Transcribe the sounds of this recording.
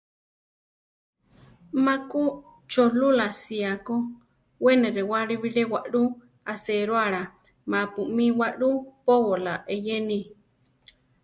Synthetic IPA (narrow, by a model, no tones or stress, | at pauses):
mãku | t͡ʃolulasiako | weneɾewaɺiβiɺewaʔɺu | aseɾwaɺa | mapuʔmĩwaʔɺupoβolaʔejeni